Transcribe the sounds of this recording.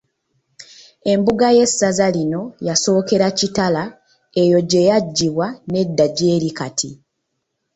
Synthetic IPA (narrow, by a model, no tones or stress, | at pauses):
e̞mbuɡaje̞sːazalino̞jaso̞ːke̞ɾacitala | e̞jo̞ɟe̞jaɟːiβwane̞dːaɟe̞ːɾikatʰi